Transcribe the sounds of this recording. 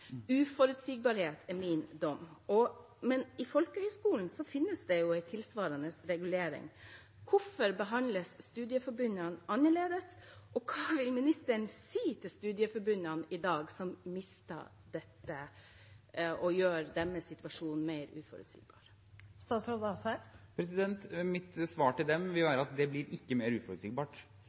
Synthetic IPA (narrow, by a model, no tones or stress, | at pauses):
ʉːfɔɾʉt̪siːɡ̚bɑɾheːt̪ʰæɾmɪnd̪ɔmːɔ | mɛnɪfɔlkəhœʏskuːln̩sɔfɪnːəsd̪ɛjʊæɪt̪ʰɪlsʋɑːɾɑnəsɾɛɡʉleːɾɪ̰ŋ | kʰʊfɔɾbəɦɑnləsːt̪ʉːd̪ɪəfɔɾbʉnɑnɑnːəɭeːd̪əsʔɔkʰɑːʋɪlmɪnɪst̪əɳsiːt̪ʰɪlst̪ʉːd̪jɪəfɔɾbʉnːɑnɪd̪ɑːɡsɔmmɪst̪ʰɑ̰ː | d̪ɛt̪ːə | ɔjøːɾd̪ɛmːɛsɪt̪ʋɑʂuːnn̩meɪɾʉːfɔ̰ɾʉ̰t̪sḭːɡbɑ̰ːɾ | st̪ɑːt̪sɾoːd̪ɑsæpʰɾɛsɪd̪ɛnt̪mɪt̪sʋɑːʈɪld̪ɛmʋɪlʋæːɾɑt̪̚d̪ɛblɪɾɪkːəmeːɾʉːfɔɾʉt̪siːɡbɑːʈ